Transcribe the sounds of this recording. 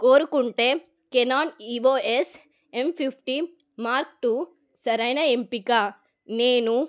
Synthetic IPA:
koːɾukuɳʈeː | kenaːniʋoːʔes | empʰipʰʈi | maːɾk̚ʈu | sɐɾɐjnɐempikaː | neːnu

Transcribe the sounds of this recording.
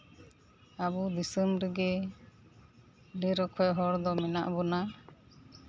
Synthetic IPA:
abɔd̪isəmɾəɡɛ | ɖɛɾɔkʰɔjɦɔɽd̪ɔmɛnaʔbɔna

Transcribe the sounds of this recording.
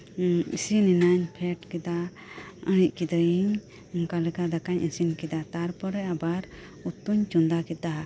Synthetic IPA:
ḭsininaɲpʰɛʈkɛd̪a | əñic̚ˀkid̪əjiɲ | ɔŋkalɛkad̪akaɲʔəsinkɛd̪at̪aɾpɔɾɛabaɾ | ut̪uɲt͡ʃund̪akɛt̪̚ːaɦa

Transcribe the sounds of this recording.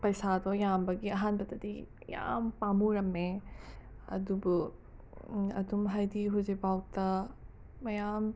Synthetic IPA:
pɐjsad̪ɔjambɐɡiɐɦantɐt̪ɐd̪ḭ | ja̰mpamuɾɐmːe | ɐ̰d̪ubu | ɐ̰d̪umɦajd̪iɦuzibawt̪ɐ | mɐjam

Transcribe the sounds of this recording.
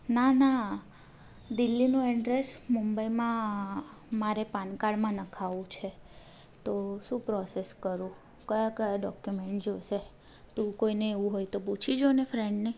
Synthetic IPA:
nana | d̪ilːinũɛɖɾesmumbəimã | maɾepankaɭmãnəkʰaʋũt͡ʃʰe | t̪oʃũpɾɔseskəɾũ | kəjakəjaɖɔkjumẽɳʈd͡ʒoʃe | t̪ũkoineːʋũɦojt̪oput͡ʃʰid͡ʒonefɾɛɳɖne

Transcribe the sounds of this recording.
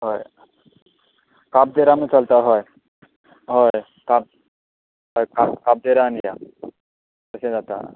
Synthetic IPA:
ɦoj | kab̚d̪eɾamət͡salt̪aɦoj | ɦoj | kab̚ | ɦojkakab̚d̪eɾaːnija̰ | t̪əɕẽd͡zat̪a̰

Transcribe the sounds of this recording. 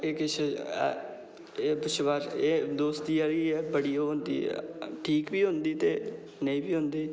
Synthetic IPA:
eːkɪt͡ʃʰḛ | eːbʊʃʋaːɾeːd̪oːst̪iːaːɾiːɛːbəɽiːoːɦʊnd̪ḭːʈʰiːkbiːɦʊ̃nd̪iːt̪eː | nəĩːbiːɦʊ̃nd̪iː

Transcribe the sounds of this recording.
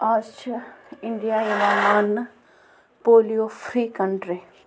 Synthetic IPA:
at͡ʃɪɳɖijaːjeʋaːman | poːlijofʰɾiːkəɳɖɾe

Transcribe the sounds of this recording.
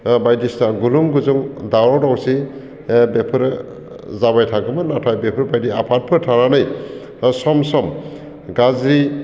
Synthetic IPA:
bajdisnaɡuluŋɡuzuŋdawɾɔwdawsi | bepʰɯɾ | zaβajtʰaɡɯmɯnatʰajbepʰɯɾbajdiapʰat̚pʰɯɾtʰaɾanɯj | sɔmsɔm | ɡazɾi

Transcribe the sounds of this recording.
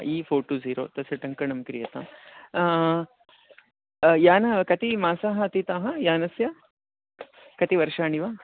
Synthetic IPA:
iːfʰoːɾʈuːziːɾoːt̪ɐsjɐʈɐŋkɐɳɐmkɾijɐt̪a̰m | jaːnɐkɐt̪imaːsaːɦɐt̪it̪aːɦɐjaːnɐsjɐ | kɐt̪iʋɐɾʂaːɳiʋaː

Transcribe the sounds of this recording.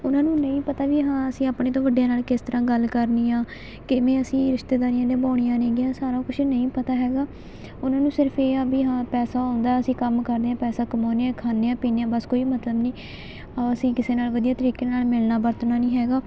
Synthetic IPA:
ʊnãːnũːnəĩːpət̪aːʋiːɦãːəsĩːaːpɳeːt̪̬õːʋəɖjãːnaːlkɪst̪əɾãːɡəlkəɾniːãː | kɪʋẽːəsĩːɾɪʃt̪eːd̪aːɾijãːd̪ẽːbaːɽijãːnẽːɡɪjãːsaːɾaːkʊt͡ʃʰnəĩːpət̪aːɦɛːɡaː | ʊnãːnũːsɪɾəpʰeːabiːɦãːpɛːsaːãʊnd̪aːɛːəsĩːkəmkəɾd̪eːãːpɛːsaːkəmoːneãːkʰaːneːãːpiːnejãːbəskoːiːmət̪ləbniː | aəsĩːkɪseːnaːlʋəd̪ijaːt̪əɾiːkeːnaːlmɪlnaːbəɾt̪naːnĩːɦɛːɡaː

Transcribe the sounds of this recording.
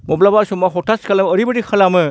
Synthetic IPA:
mɔblabaɾsɔmaɦɔtʰaskalamːɾibɯdikʰalamɯ

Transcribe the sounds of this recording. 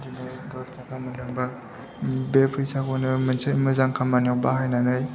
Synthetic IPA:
dinɯdɔɾtʰakʰamɯnɯŋba | bepʰɾijsakɔnɯmɯnsɯmɯzaŋkʰamanjawbahajnanɯj

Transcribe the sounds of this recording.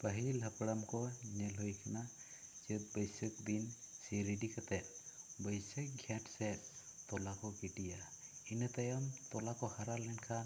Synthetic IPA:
pəɦilɦəpɽamkɔnɛlɦojkʰana | d͡ʒət̪̚bəjsək̚binsiɾiɖikat̪ɛt̪̚bəjsək̚ɡʱjaʈsɛtt̪ɔlakɔkiʈijainət̪ajamt̪ɔlakɔhaɾalɛnkʰan

